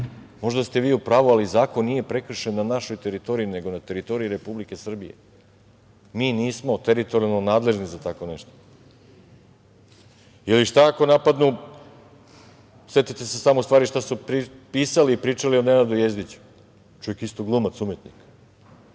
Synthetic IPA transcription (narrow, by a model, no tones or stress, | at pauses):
mo̞ʒd̪ast̪e̞ʋiːupɾaːʋualizaːko̞nːije̞pɾe̞kr̩ʃe̞nːanaʃo̞jt̪e̞ɾit̪o̞ɾijine̞ɡo̞nat̪e̞ɾit̪o̞ɾiiɾe̞publike̞sr̩bije̞̰ | miːniːsmo̞t̪eɾit̪o̞ɾialnonaːd̪le̞ʒnizat̪ako̞neʃt̪o̥ | iliʃt̪aako̞napad̪nu | se̞t̪it̪e̞se̞samoust̪vaːɾiʃt̪asupiːsaliːpɾiːt͡ʂalione̞nad̪ujezd̪it͡ɕu̥ | t͡ʃujekist̪oɡlˠumat̪sumje̞t̪nik